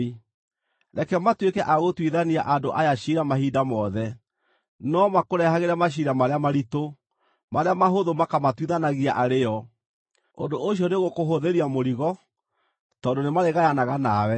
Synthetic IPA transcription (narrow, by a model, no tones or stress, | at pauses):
ɾɛkɛmatwekɛʔaɣotwiðaniaʔandoʔajaɕiɾamaɦidamɔðɛ | nɔmakoɾɛhaɣeɾamaɕ̬iɾamaɾeamaɾito | maɾeamaɦoðomakamatwiðanaɣiaʔaɾejɔ | o̰ndoʔoɕ̬jɔneɣokoɦoðeɾiamoɾiɣɔ | tɔːndonemaɾeɣajanaɣanawɛ